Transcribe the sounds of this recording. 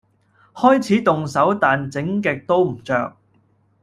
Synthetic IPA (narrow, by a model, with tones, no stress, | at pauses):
hɔː˥jt͡sʰiː˨˥t̪ʊ˨ŋsɐ˨˥wt̪aː˨nt͡sɪ˨˥ŋkɛː˨˧k̚t̪o˥wm̩˨˩t͡ʃœ̰ː˨k̚